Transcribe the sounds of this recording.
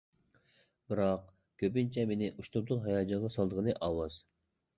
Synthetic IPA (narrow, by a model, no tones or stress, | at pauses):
biɾɑq | kʲʰøpint͡ʃʰɛmenɪʔuʃt̪ud̪ulˠɦɑjɑd͡ʒɑʁɑsɑlˠd̪əʁənɨʔɑwɑz̥